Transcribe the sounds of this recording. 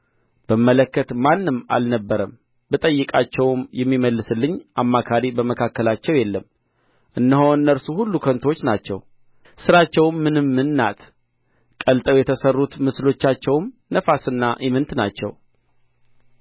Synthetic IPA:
b̥əmːələkːət̪manːɨmːa̰lnəbːəɾəm | bɨt̪ʼəjːɨkʼat͡ʃːɛwmjɛmːiməlːɨsɨlːɨɲːʔamːakʰaɾibəməkʰakːəlat͡ʃːɛwjɛlːəm | ʔɨnːəɦhowɨnːəɾsuhulːukʰənt̪ʰo̞t͡ʃːnat͡ʃːɛ̰w | sɨɾat͡ʃːɛwmːɨnɨmːɨnːa̰t̪ʰ | kʼəlt̪ʼəwjɛt̪ʰəsərːut̪mɨslo̞t͡ʃːat͡ʃːɛwm | nəfasɨnːaʔimɨnt̪nat͡ʃːɛ̰w

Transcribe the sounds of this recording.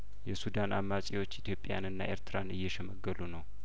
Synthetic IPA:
jɛsud̪anamːat͡ʃʼiwo̞t͡ʃːit̪ʰjo̞pʼːja̰nɨnːaʔeɾt̪ʰɨɾanɨjːɛʃɛməɡːəlunəw

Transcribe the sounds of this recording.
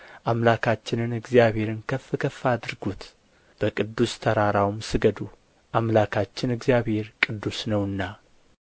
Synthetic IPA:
ʔamlakʰat͡ʃːɪnɨnɨɡzijaβhe̞ɾɨnkʰəfːɨkʰəfːad̪ɨɾɡut̪ | b̥əkʼɨd̪ːust̪ʰəɾaɾawmsɨɡəd̪u | ʔamlakʰat͡ʃːɪnɨɡzjaβhe̞ɾkʼɨd̪ːusnəwɨnːa

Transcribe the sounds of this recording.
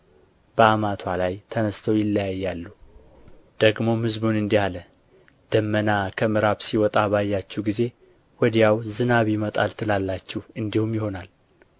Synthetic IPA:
b̥əamat̪ʰwalajt̪ʰənəst̪ʰəwjɪlːəjajːalːu | d̪̥əɡmo̞mhɨzbunɨnd̪ihalə | d̪̥əmːənakʰəmɨɾaβsiwɔt̪ʼabajːat͡ʃːɛɡize̞ | wɔd̪jawzɨnaβjɪmət̪ʼa̰lt̪ʰɨlalːat͡ʃːɛhɨnd̪ihumjɪho̞nal

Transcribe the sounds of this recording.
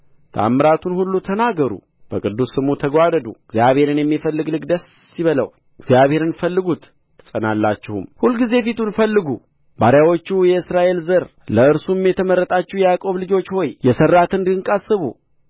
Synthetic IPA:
t̪ʰa̰mːɾat̪ʰunhulːut̪ʰənaɡəɾṵ | b̥əkʼɨd̪ːusːɨmut̪ʰəɡʷad̪əd̪ṵɡzjaβhe̞ɾɨnjɛmːifəlːɨɡlɨɡd̪əsːiβələ̰w | ɨɡzjaβhe̞ɾɨnfəlːɨɡut̪ | t̪ʰːə̥sʼənalːat͡ʃːɪhumhulɡize̞fit̪ʰunfəlːɨɡu | baɾjawo̞t͡ʃːujɛɨsɾaʔe̞lzəɾləɨɾsumjɛt̪ʰəməɾːət̪ʼat͡ʃːɛhjɛjakʼo̞βlɨd͡ʒo̞t͡ʃːho̞jjɛsərːat̪ɨnd̪ɨɨŋkʼasɨβṵ

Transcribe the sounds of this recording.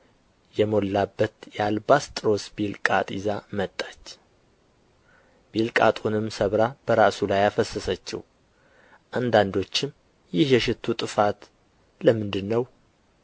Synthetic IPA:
jɛmo̞lːabːət̪jalbast̪ʼɾo̞sbilkʼat̪ʼizamət̪ʼːḁt͡ʃː | b̥ilkʼa̰t̪ʼunɨmsəβɾab̥əɾasulajafəsːəsət͡ʃːɪ̰w | ʔand̪and̪o̞t͡ʃːɪm | jɪhjɛʃɪt̪ʰːut̪ʼɨfat̪ | ləmɨnd̪ɨnːəw

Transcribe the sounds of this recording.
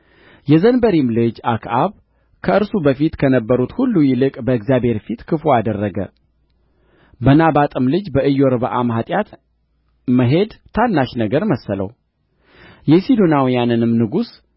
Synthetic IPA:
jɛzənbəɾimlɨd͡ʒakʰʔaβ | kʰəɨɾsubəfit̪kʰənəbːəɾut̪hulːujɪlɨkʼbəɨɡzjabʱhe̞ɾfit̪kʰɨfoad̪ərːəɡə̰ | bənabat̪ʼɨmlɨd͡ʒbəɨjːoɾbəʔa̰mɦat̪ʼjat̪ | məɦe̞d̪t̪ʰanːaʃnəɡəɾməsːələ̰w | jɛsid̪onawijanɨnɨmnɨɡus

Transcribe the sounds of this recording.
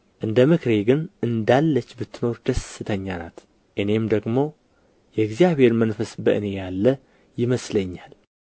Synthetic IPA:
ʔɨnd̪əmɨkʰɾe̞ɡɨnʔɨnd̪alːət͡ʃːbɨt̪ʰːɨno̞ɾd̪əsːɨt̪ʰəɲːana̰t̪ | ʔɨne̞md̪əɡmo̞ | jɛɪɡzijaβhe̞ɾmənfəsbəʔɨne̞jalːə | jɪməsləɲːal

